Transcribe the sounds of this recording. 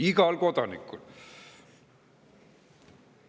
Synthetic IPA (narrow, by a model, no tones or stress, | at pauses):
iɡɑlko̞d̪̥ɑnḭkːul